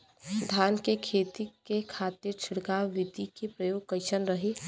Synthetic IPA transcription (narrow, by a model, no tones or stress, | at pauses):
d̪ʱjaːnkekʰeːt̪ikekʰaːt̪ɪɾt͡ʃʰɪɽɡaʋɪd̪ikepɾɐjoːɡ̚kɐɪʃənɾɐɦi